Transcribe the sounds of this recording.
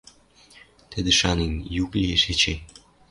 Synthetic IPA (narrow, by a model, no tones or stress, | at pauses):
t̪ɘ̆d̪ɘ̆ʃɑninʲjuklʲieʃet͡ɕe